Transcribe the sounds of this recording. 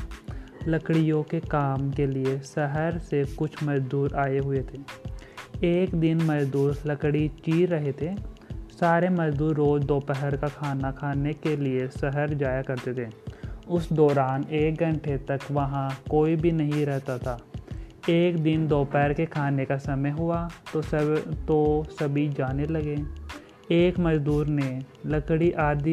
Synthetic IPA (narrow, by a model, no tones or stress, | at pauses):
lɐkɽijõkekaːmkeliesɐɦəɾsekʊt͡ʃʰmɐd͡ʒd̪uːɾʔaːeɦʊet̪ʰeː | eːkd̪ɪnmɐd͡ʒd̪uːɾlɐkɽit͡ʃiːɾɾɐɦet̪ʰeːsaːɾemɐd͡ʒd̪uːɾːoːd͡ʒd̪oːpɛɦəɾkakʰaːnakʰaːnekeliesɛɦəɾd͡ʒaːjakɐɾt̪et̪ʰeːʊsd̪ɔːɾaːneːk̚ɡɐ̃ɳʈʰet̪ɐkʋɐɦãkoːibʱinɐɦĩɾɛɦt̪at̪ʰaː | eːkd̪ɪnd̪oːpɛɦɾkekʰaːnekasɐməjɦʊat̪ot̪osɐbʱid͡ʒaːnelɐɡeː | eːkmɐd͡ʒd̪uːɾnelɐkɽiʔaːd̪